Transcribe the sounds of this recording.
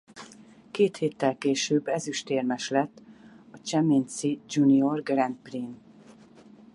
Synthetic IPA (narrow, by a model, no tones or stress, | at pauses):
keːt̪heːt̪ːɛlkeːʃøːbːɛzyʃt̪eːrmɛʃlɛt̪ːɒt͡ʃɛmeːnsid͡ʒuniorɡrɛnd̪priːn